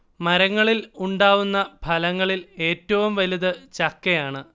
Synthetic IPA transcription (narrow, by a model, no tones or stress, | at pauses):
mɐɾɐŋːɐɭiluɳɖaːʋunːɐbʱɐlɐŋːɐɭile̞ːtːɐʋumʋɐliðɨt͡ɕɐkːɐjaːɳɨ